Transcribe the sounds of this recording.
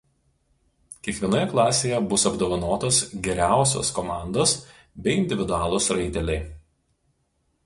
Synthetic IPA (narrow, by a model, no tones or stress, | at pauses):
kʲiɛkʋʲiɛnoːjɛklˠɑːsʲeːjɛbʊsɐbd̪oːʋɐnoːt̪osɡʲɛɾʲæˑʊsʲo̰ːskɔmɑˑnd̪oːs | bʲɛɪɪnʲd̪ʲɪʋʲɪd̪ʊɑːlˠosɾɐɪt̪ʲɛlʲɛɪ